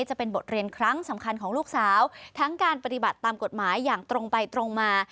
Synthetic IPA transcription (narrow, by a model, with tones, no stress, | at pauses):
t͡ɕa˨˩pe˧nbo˨˩t̪̚ɾi˧ənkʰɾa˦˥ŋsa˩˦mkʰa˧nkʰɔː˩˦ŋluː˥˩k̚saː˩˦wt̪ʰa˦˥ŋkaː˧npa˧t̪i˨˩ba˨˩t̪ːaː˧mko˨˩t̪̚maː˩˦jːaː˨˩ŋt̪ɾo˧ŋpa˧jt̪ɾo˧ŋmaː˧